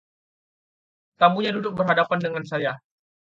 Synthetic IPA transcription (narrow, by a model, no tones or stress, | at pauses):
t̪amuɲadudʊk̚bərɦadapandəŋansaja